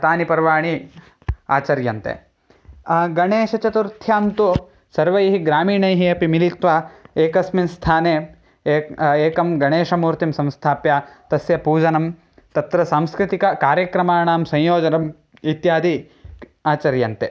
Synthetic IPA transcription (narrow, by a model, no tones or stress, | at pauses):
t̪aːnipɐɾʋaːɳi | a̰ːt͡ʃɐɾjɐnt̪ḛ | ɡɐɳeːʃɐt͡ʃɐt̪uɾt̪ʰjaːmt̪u | sɐɾʋɐjɦiɡɾaːmiːɳɐjɦiɐpimilit̪ʋɐeːkɐsminst̪ʰaːneː | eːkɐmɡɐɳeːʃɐmuːɾt̪imsɐ̃mst̪ʰaːpjaːt̪ɐsjɐpuːd͡ʒɐnɐm | t̪ɐt̪ɾɐsaːmskɾit̪ikɐkaːɾjɐkɾɐmaːɳaːmsɐ̃jjoːd͡ʒɐnɐm | it̪jaːd̪i | aːt͡ʃɐɾjɐnt̪e